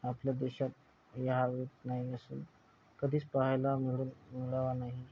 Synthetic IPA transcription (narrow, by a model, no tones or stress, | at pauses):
apljad̪eɕat̪̚ | jaɦaʋet̪naɦiəsṵːn | kəd̪ʱiːt͡spaɦjlamiɭuːnmiɭaʋanaɦi